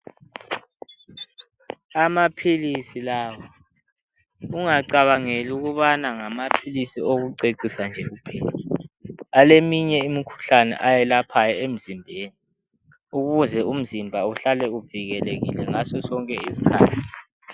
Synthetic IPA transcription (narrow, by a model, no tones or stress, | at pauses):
amapʰilisilaːwɔ | uŋaǀaβaŋeluɣuβanaŋamapʰilisioɣuǀeǀisand͡ʒʱɛɣupʰɛːla | alemiɲɛimikʰu̥ɬanɛ̰ʔajɛlapʰajɔem̩zimbʱeːni | uɣuzɛum̩zimbʱauɬalɛuviɣɛleɣḭlɛŋasɔsɔŋkʼɛisi̥kʰaːtʰi